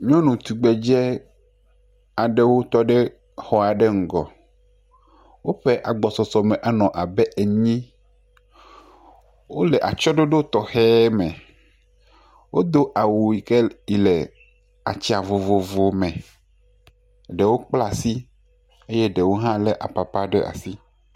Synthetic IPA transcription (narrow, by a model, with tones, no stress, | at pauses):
ɲɔ̃˦nũ˨t̪u˨ɡ͡bɛ˨d͡ʒɛ˦ | a˨ɖe˦wo˦t̪ɔ˦ɖe˦ | xɔ˨a˨ɖe˦ŋ̩˨ɡɔ̰˨ | wo˦ɸe˦ʔa˨ɡ͡bɔ˨sɔ˨sɔ˨mɛ̃˨ʔa˨nɔ̃˨ʔa˨bɛ˦ʔe˨ɲĩ˦ | wo˦lɛ˨ʔa̰˨t͡ʃɔ˦ɖo˦ɖo˦t̪ɔ˨xɛ˦mɛ̃˨ | wo˦d̪o˦ʔa˨wo˨i˨ke˦i˨lɛ˨ | a̰˨t͡ɕi˦a˨vo˨vo˨vo˨mẽ˨ | ɖe˨wo˦k͡pla˦si˦ | e˦je˦ɖe˨wo˦ɦã˦le˦ʔa̰˨pa˨pa˦ɖe˦ʔa̰˨si˦